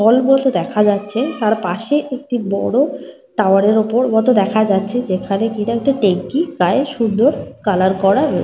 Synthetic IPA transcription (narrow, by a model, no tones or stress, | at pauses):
ɔlmulot̪od̪ɛkʰad͡ʑatːɕʰet̪aɾpaʃeʔek̚ʈibɔ̰ɽo | ʈaʊaɾeɾopoɾmɔt̪od̪ɛkʰad͡ʑatːɕʰed͡ʑekʰanekinaek̚ʈaʈeŋkikaeʃund̪oɾkalaɾkɔɾaɾo